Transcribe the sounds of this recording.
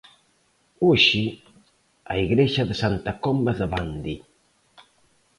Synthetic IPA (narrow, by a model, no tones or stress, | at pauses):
uʃi | aiɣɾeʃaðəsant̪akɔmbaðəβand̪i